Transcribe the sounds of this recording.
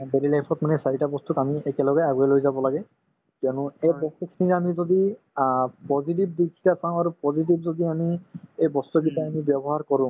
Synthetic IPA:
belilajpʰɔtmanɛsaɹitabɔst̪ukamiɛkɛlɔɡɛaɡuɛlojzabɔlaɡɛ | kjɔnʊ̃ɛjbɔstekʰniŋamizod̪i | pɔzit̬ib̚d̪ikʰi̥tasãʊ̃aɹupɔziʈ̬ibzod̪iamiejbɔst̪ukitaamibjɔbɔɦaɹkɔɹʊ̃

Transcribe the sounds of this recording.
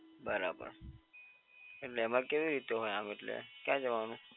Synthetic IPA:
bɐɾa̰ːbə̰ɾ | mɪʈlemakebiɾit̪oɦojãːmɪʈlḛkjaːd͡ʒɐʋaːnu

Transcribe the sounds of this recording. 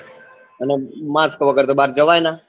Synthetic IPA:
ənemaːskːʋəɡəɾt̪oɓaːɾd͡ʒəʋaːjnaː

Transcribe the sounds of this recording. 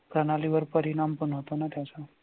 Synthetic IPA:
kɾənaliʋəɾpəɾiɽampənɦot̪onat̪jat͡sa

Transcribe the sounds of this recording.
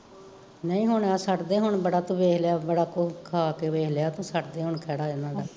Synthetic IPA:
nəĩːɦʊɳaːsəʈd̪eːɦʊɳbəɽaːt̪õːʋeːkljaːbəɽaːkokʰaːkeːʋeːɦljaːt̪õːsəʈd̪eːɦʊɳkʰɛːɽaːɪnãːdaː

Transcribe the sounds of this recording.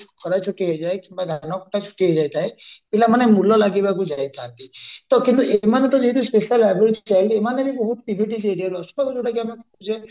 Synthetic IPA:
kɔtajt͡ʃʰukiɦojzajkimbaɡʱanɔkɔtʰajt͡ʃʰu̥kiɦojzajt̪ʰajbilamanɛmulɔlaɡibakuzajt̪ʰat̪it̪ɔkint̪uʔemanɛt̪ɔziɦɛt̬uspesialɛbɛlsʰt͡ʃailiemaneɾiboɦut̪̚pibʱiʈizeɾialɔsɔ̥bakud͡ʒoʈak̬iamɛk | zɛ

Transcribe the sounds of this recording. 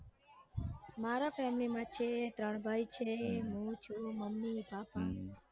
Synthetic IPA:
maːɾafɛːmlimãt͡ʃʰet̪ɾəɳbʱaːjt͡ʃʰeɦũt͡ʃʰuməmnibaːpaː

